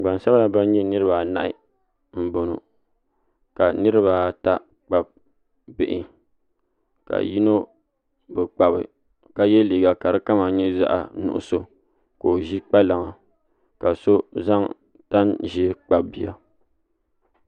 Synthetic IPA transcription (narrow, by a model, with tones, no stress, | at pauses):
ɡ͡ba˨n˨sa˦ba˦la˦ba˦n˦ɲɛ˦nɨ˦ɾɨ˦ba˨na̰˦ʔɪ̰˦˨ | m̩˦bo˨no̰˨ | ka˨nɨ˦ɾɨ˦ba˨ta˦ | k͡pa˨b̚ | bɪ˨ʔɪ̰˨ | ka̰˨ji˦no˦ | bɨ˨k͡pa˨bɨ̰˨ | ka˦jɛ˦li˨ɡa˨ka˨ɾɨ˦ka˦ma˨ɲɛ˦za̰˦ʔa̰˨nṵ˨ʔʊ̰˦so˦ | ko˨ʒi˦k͡pa˦la˨ŋa˨ | ka˨so˦za˦ŋ | ta˦nʒi˦k͡pa˨bbi˦a̰˨